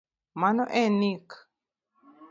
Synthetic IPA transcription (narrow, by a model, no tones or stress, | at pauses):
manoʔenik